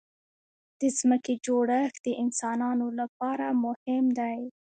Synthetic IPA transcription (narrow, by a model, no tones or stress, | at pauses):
d̪̥əzməked͡ʒoɽəxd̪̥əʔɪnsɑnɑnolap̚ɑɾamʊhɪmd̪aj